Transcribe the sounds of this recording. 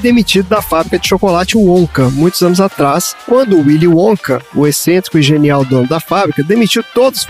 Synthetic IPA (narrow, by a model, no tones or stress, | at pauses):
d̪emit͡ʃid̪ʊd̪ɐfabɾikɐd͡ʒɪʃokolat͡ʃɪõkɐmũj̃t̪ʊzɐ̃nʊzat̪ɾaskwɐ̃nd̪ʊʊwiliõkɐʊesẽnt̪ɾikʊiʒeniawd̪õnʊd̪ɐfabɾikɐd̪emit͡ʃiwt̪od̪ʊʊs